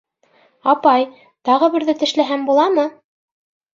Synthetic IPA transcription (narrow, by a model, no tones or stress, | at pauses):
ɑpɑj | t̪ɑʁɤ̆βɘ̆ɾðɘt̪ɘ̆ʃlæɦæmbulˠɑmɤ